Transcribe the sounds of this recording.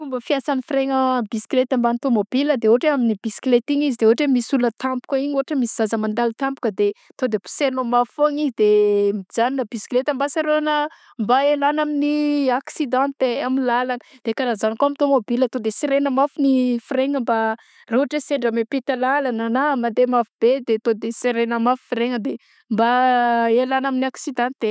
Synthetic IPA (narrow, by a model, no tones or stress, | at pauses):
fumbəfiasanifiɾeŋəbisklet̪ambanit̪omobiləd̪eoɦaʈ͡ʂeaminibisklet̪iŋizid̪eoɦaʈ͡ʂemisulət̪ampu̥kəiɲoaʈ͡ʂəmisiz̥azəmand̪alit̪ampu̥kəd̪e | t̪od̪epu̥senomafoɲiid̪emzaninəbisklet̪ambasaɾoanə | mbaelanaminiaksid̪ãnt̪eamilalanəd̪̥ekanazanikoamit̪omobilət̪od̪esiɾenəmafunifiɾeŋəmba | roɦaʈ͡ʂeseɳɖ͡ʐəmepet̪əlalananamand̪emafubed̪et̪od̪eseɾenəmafu̥fiɾeŋəd̪e | mbaelanaminiaksid̪ãnt̪e